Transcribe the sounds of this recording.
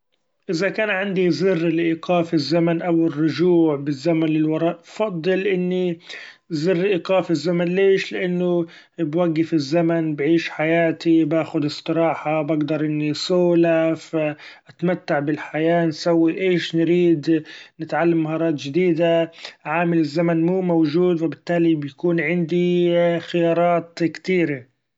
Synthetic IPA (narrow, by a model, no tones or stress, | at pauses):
ʔɪzakaːnʕɪnd̪izɪrːɪlʔiːqʰɑːfɪzːamanʔawɪrːʊʒuːʕbɪzːamanlɪlwɑɾˤɑːʔfɑd̪ˤːɨlʔɪnːi | zɪrːʔiːqɑːfɪzːamanleːʃlɪʔanːʊ | bwaɡːɪfɪzːamanbʕiːʃħajaːt̪ibaːxʊd̪ɪsˤt̪ˤɨɾˤɑːħabaɡd̪ɑɾˤʔɪnːisʊːlafaʔat̪mat̪ːaʕbɪlħajaːnsawːiʔeːʃnɾiːd̪nɪt̪ʕalːamːaɦɑːɾˤɑːt̪ʒɪd̪iːd̪aʕaːmɪlɪzːamanmuːmowʒuːd̪wɪbɪt̪ːaːlibjakuːnʕɪnd̪ixɪjɑːɾˤɑːt̪kt̪iːɾa